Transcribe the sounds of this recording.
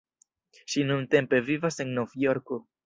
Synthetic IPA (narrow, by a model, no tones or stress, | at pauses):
ʃinunt̪empevivaseŋɡnofijoɾku